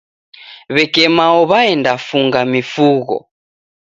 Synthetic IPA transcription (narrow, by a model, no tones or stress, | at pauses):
βɛkɛmaɔβaɛndafuŋɡamifuɣɔ̰